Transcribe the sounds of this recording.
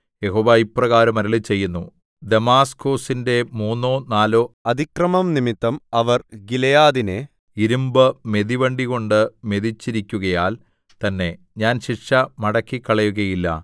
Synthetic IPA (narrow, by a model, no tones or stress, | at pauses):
jeɦoːʋaːjiprɐɣaːɾɐmɐɾɐlit͡ɕe̞jːunːu | d̪emaːsko̞ːsinde̞muːnːo̞ːnaːloːɐd̪ʱikrɐmɐmnimit̪ːɐmɐʋɐrɡilɐjaːðine | iɾumbɨme̞ðiʋɐɳɖiɣo̞ɳɖɨme̞ðit͡ɕːiɾikʲːuɣɐjaːl | t̪ɐnːe̞ | ɲaːnɕiʈʂɐmɐɽɐkːikːɐɭɐjuɣɐjilːɐ̰